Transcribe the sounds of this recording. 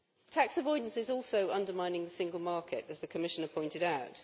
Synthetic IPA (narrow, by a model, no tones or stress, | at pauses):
tʰaksəvɔɪdⁿn̩sɪzɔˑlˠsəʊʌ̃ndəmãɪ̃nɪ̃ŋðəsɪ̃ŋɡəlˠmɑˑkʰɪ̰təzðəkʰəmɪʃə̃nəpʰɔ̃ɪ̃ntɪɾaʊt